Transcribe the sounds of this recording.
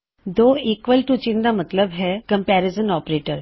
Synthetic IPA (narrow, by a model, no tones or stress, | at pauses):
d̪oikʋəlʈut͡ɕind̪amət̪ləbɦɛkəmpæɾezənɔpɾeʈəɾ